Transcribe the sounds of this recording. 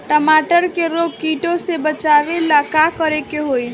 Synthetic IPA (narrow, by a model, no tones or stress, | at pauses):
ʈəmaːʈəɾkeɾoːɡ̚kiːʈõsebət͡ʃaːʋelakakəɾekeɦoi